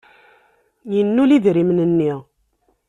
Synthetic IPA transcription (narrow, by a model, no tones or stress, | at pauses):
jənːuliðɾimnənːiʁ